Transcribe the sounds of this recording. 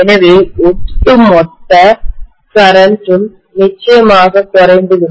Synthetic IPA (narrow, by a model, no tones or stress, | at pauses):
ɛnɐʋeːʊʈʈːɯmɔt̪ːɐ | sɐɾɐnʈɯm | nɪt͡ʃːɐjɐmaːɣɐt̪ɔɾɐɪnd̪ɯɣɪɳ